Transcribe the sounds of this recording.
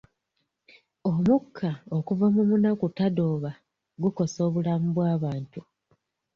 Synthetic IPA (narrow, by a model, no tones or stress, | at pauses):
omukʰːao̞kuvamumunakutado̞ːβa | ɡuko̞so̞ːβulamuβwaːβaːntu